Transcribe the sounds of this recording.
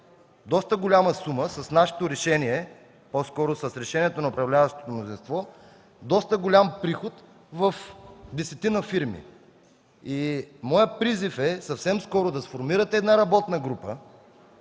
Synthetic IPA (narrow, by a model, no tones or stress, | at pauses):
d̪ɔst̪əɡolʲaməsuməsɐsnaʃɛ̥t̪oɾɛʃɛniɛ | poskɔɾʊsɐsɾɛʃɛniɛt̪onɐʊpɾɐvlʲavəʃt̪o̥t̪omnozinst̪vɔ | d̪ɔst̪əɡolʲampɾixot̪ | vɐfd̪ɛsɛt̪inəfiɾmḭ | imɔjəpɾizifɛsɐfsɛmskɔɾʊd̪ɐsfoɾmiɾət̪ɛɛd̪naɾɐbɔt̪nɐɡɾupə̰